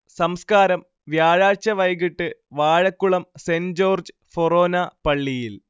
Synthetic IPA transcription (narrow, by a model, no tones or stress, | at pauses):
sɐmskaːɾɐm | ʋjaːɻaːt͡ɕɐʋɐjɣiʈːɨʋaːɻɐkːuɭɐmsend͡ʑoːrd͡ʑɨ | foroːnɐpɐɭːijil